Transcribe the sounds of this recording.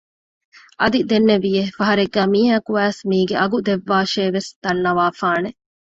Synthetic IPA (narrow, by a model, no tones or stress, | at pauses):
ʔɐd̪id̪enːeʋijefɐɦɐɾeɡːæːmiːɦaːkuæːsmiːɡeʔɐɡud̪eʋːaːʃeːʋesd̪ɐnːɐʋaːfaːne